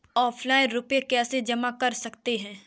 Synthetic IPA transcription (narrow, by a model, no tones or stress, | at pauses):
ɔːpʰlaːɪ̃nɾʊpekɛːsed͡ʒɐmakɐɾsɐkt̪eɦɛ̃ː